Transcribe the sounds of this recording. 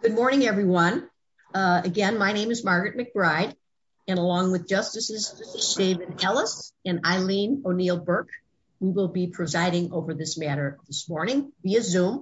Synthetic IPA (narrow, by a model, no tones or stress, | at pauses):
ɡ̥ʊd̚mɔɹnɪ̃ŋɛvɹiwʌ̃n | ɨɡɛ̃nmaɪñẽɪ̃mɨzmɑɹɡɹɨt̚mɨk̚b̥ɹaɪɾ | ɨ̃nəlɔ̃ŋwɨðd͡ʒʌstɨsɨz̥ɨsɨz̥deɪvɨdɛlˠəsɨ̃na̰ɪlĩnoʊnilˠbɜ˞k | wiwɪlˠbipʰɹ̥ɨzaɪɾɪ̃ŋoʊvə˞ðɪsmæɾə˞ðɪsmɔɹnɪ̃ŋviɨzũm